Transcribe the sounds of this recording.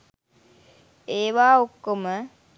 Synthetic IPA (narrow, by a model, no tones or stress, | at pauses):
eːʋaːokːomə